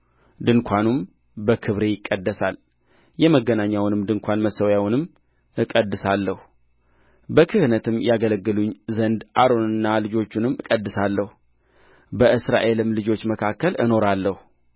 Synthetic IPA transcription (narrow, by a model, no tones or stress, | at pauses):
d̪ɨnkʷʰanum | bəkʰɨβɾe̞jɪkʼːəd̪ːəsal | jɛməɡənaɲːawnɨmd̪ɨŋkʰʷanməsəwjawnɨm | ɨkʼəd̪ːɨsalːəhu | bəkʰɨhɨnət̪ʰɨmːjaɡələɡːɨluɲzənd̪ʔaɾo̞nɨnːalɨd͡ʒo̞t͡ʃːunɨmːɨkʼəd̪ːɨsalːəhu | bəʔɨsɾa̰ʔe̞lɨmlɨd͡ʒo̞t͡ʃːməkʰakːəlɨno̞ɾalːəhu